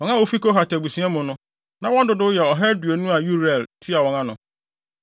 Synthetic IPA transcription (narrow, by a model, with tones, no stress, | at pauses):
wɔ̃˨ŋã˦wo˦fi˦ko˦ɦa˨tɛ˨bu˨sĩ˨˦ɛ˦mʊ̃˨nʊ̃˦ | nã˨wɔ̃˦ndʊ˦dʊ˦jɛ˨ɔ˨ɦɛ˦ɾdu˨e˨nũ˦a˨ju˦ɾɛ˨lfi˦a˨wɔ̃˨ŋã˦nʊ̃˨